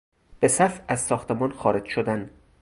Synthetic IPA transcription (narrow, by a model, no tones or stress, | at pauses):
b̥esæfæzsɒːxt̪ʰemɒːnxɒːɾed͡ʒʃod̪æn